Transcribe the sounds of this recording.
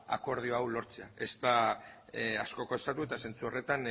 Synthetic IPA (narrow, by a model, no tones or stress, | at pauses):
a̰ko̞ɾð̞io̞awlo̞ɾt͡se̞ae̞st̪a | asko̞ko̞e̞st̪at̪ue̞t̪ase̞nt͡suo̞re̞t̪an